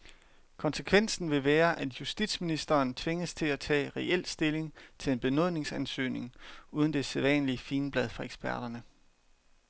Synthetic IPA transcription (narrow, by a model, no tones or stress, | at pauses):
kʰɒ̽nsəkʰʋen̰sn̩ʋe̝ʋæːɐʔæd̥jusd̥id̥sminisd̥ɐːnt͡sʰʋe̝ŋəst͡sʰe̝læt͡sʰɛ̰ːʁɛʔel̰sd̥e̝le̝ŋt͡sʰe̝le̝nb̥e̝nɔ̝ðˠne̝ŋsænsø̰ːne̝ŋuːðˠn̩d̥e̝seðˠʋɛ̰ːnliəfiːnb̥lɛð̞ˠfɑ̈eɡ̥sb̥æɐd̥ɐnə